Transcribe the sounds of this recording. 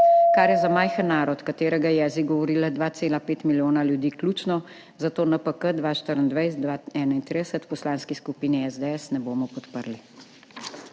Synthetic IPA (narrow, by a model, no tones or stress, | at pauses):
kaɾjɛzamaːjxənːaːɾɔt̪kat̪eːɾɛɡaɛjɛːziɡɔʋɔɾiːlad̪ʋaːt̪seːlapeːt̪miljoːnaljud̪iːkluːt͡ʃnɔ | zat̪oːnəpəkəd̪ʋaːʃt̪əɾənd̪ʋɛjsd̪aɛːnaint̪ɾid̪ɛsət̪pɔslaːnskiskupiːniɛzd̪ɛɛsnɛboːmɔpɔt̪pəɾli